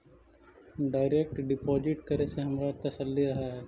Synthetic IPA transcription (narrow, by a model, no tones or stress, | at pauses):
ɖaːɪɾek̚ʈɖɪpoːd͡ʒɪʈkɐɾeseɦɐmɾat̪ɐsəlːiɾɐɦaɦɛː